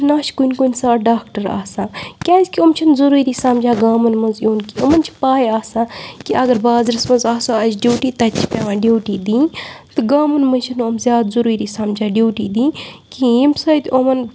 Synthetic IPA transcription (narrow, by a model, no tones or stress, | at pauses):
naːʃkunʲkunʲsaːɖaːkʈɐɾa̰ːsãːkʲaːzʲkʲiomt͡ʃʰɐnzuɾuːɾiːsaːmd͡ʒaːɡaːmɐnmɐnzjoːnkiomɐnt͡ʃʰi̥paːjaːsãːkiɐɡɐɾbaːzɾɐsmɐ̃nzaːsaɐd͡ʒɖʲjuːʈiːt̪ɐt͡ʃʰi̥pʲaːãːɖʲuːʈiːd̪ĩːt̪ɨɡaːmɐnmɐnt͡ʃʰɐnɐmzʲjaːd̪zuɾuːɾiːsaːmd͡ʒaːɖʲuːʈiːd̪ĩːkiimsɐt̪ʲomɐn